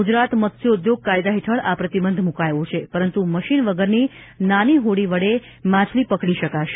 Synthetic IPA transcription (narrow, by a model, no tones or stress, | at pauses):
ɡud͡ʒɾat̪mət̪sjoud̪joɡ̚kajd̪aɦeʈʰəɭapɾət̪ibənd̪ʱmũkajʋõt͡ʃʰepəɾənt̪uməʃinʋəɡəɾni | naniɦoɽiʋəɽe | mãt͡ʃʰlipəkɽiʃəkaʃe̥